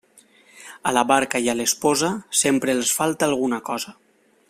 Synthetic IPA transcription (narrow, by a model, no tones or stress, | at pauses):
alaβaɾkajalespɔzasempɾeːlˠsfalˠt̪aːlˠɣ̞unakɔza